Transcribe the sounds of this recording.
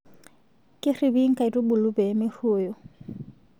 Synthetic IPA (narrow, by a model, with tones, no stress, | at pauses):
kʼɪ˦ri˨bi˦ŋ̩˦kʼa˨i˨tʼʊ˦bʊ˨lʊ˦pɛ˨mɪ˦ruː˨˦jɔ˨